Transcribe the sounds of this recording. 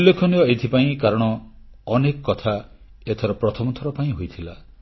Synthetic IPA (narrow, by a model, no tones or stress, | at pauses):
ulːekʰɔnijɔet̪ʰipaĩkaɾɔɽ̃ɔː | nekɔkɔt̪ʰa | et̪ʰɔɾɔpɾɔt̪ʰɔmɔt̪ʰɔɾɔpaĩɦojt̪ʰila